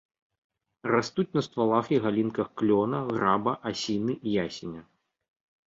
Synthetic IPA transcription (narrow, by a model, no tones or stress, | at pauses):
rast̪ut͡sʲnɐst̪valˠaxiɣalʲinkɐxklʲɔnɐɣɾabɐʔasʲinɨijasʲinʲɐ